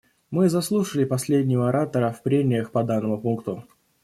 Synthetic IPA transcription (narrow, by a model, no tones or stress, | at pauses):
mɨzɐslˠuʂəlʲɪpɐsʲlʲedʲnʲɪvəɐɾat̪əɾəfpɾʲenʲɪjəxpɐd̪anːəmʊpunkt̪ʊ